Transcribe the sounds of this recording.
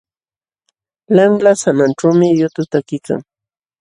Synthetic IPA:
lamlasananʈ͡ʂawmɪjʊt̪ʊt̪akɪka̰ŋ

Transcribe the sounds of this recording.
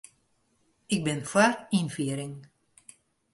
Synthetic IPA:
ɪk̚bɪnfwarkinfiəɾɪŋ

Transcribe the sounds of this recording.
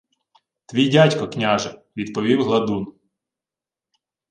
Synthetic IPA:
t̪ʋʲijdʲatʲkɔknʲaʒɛʋʲid̪pɔʋʲiwɦlˠɐd̪un

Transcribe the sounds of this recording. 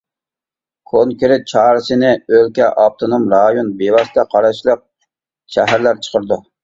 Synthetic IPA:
kʰonkʲʰyɾɪt͡ʃʰɑːɾɨsɨnɪølkʲɛʔɑp̚t̪ʰonomɾɑjonbewɑst̪ʰɛqʰɑɾɑʃlˠəq̚ | ʃæɦæɾlæɾt͡ʃʰə̥qʰəɾd̪u

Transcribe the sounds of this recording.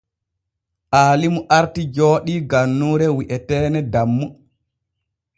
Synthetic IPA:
ʔaːlimuʔaɾtid͡ʒoːɗiɡanːuːɾɛwiʔɛtɛːnɛdamːu

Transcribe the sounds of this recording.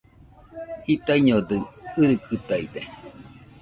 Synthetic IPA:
hit̪aiɲod̪ɯɨɾɯkʰɯt̪aid̪e

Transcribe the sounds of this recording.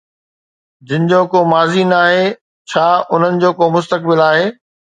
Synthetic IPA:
d͡ʑɪ̃nɪ̆d͡ʑoːkoːmaːzinaːɦeː | t͡ɕʰaːʊn̤ənɪ̆d͡ʑoːkoːmʊs̬t̪əkbɪlaːɦeː

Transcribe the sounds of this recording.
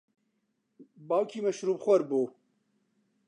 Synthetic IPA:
bɑːwkʰiːmɐʃɾuːbxʷɐɾbu

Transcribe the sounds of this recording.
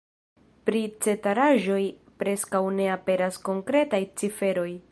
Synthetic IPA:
pɾit͡se̞taɾaʒo̞j | pɾe̞skawne̞ape̞ɾasko̞ŋkɾe̞tajt͡sife̞ɾo̞j

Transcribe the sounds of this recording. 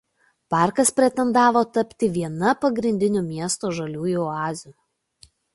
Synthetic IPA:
pɑːˑɾkɐspʲɾʲɛt̪ʲɛnd̪ɑːʋoːt̪ɐpʲt̪ʲɪʋʲiɛnɐpɐɡɾʲɪnʲd̪ʲɪnʲʊmʲiɛst̪oːʒɐlʲuːjuɑːzʲuːˑ

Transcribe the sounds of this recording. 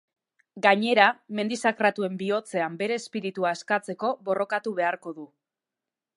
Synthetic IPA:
ɡaɲe̞ɾame̞nd̪isakɾat̪ue̞mbio̞t͡se̞ambe̞ɾe̞ːspiɾit̪uaeskat͡se̞ko̞βo̞rʔo̞kat̪uβ̞e̞aɾko̞ðu

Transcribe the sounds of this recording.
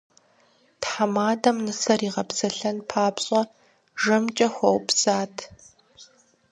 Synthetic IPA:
tħamaːdɐmnɨsɐriːʁɐpsɐɬɐnpʰaːpɕʼɐ | ʒɐmt͡ʃʼɐxʷɔwpsaːtʰ

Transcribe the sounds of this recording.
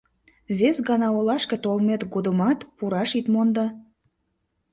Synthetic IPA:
βesɡɑnɑolɑʃket̪olmet̪ɡod̪əmɑt̪puɾɑʃit̪mond̪ɑ

